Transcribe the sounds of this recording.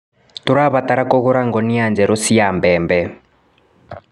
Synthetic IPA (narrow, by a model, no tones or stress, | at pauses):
t̪uɾaβataɾakɔɣɔɾaŋɡɔniand͡ʒɛɾɔsiambɛːmbɛ